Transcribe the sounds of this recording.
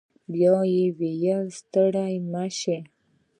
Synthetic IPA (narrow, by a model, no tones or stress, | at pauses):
bjɑjewejast̪əɽajmaʃe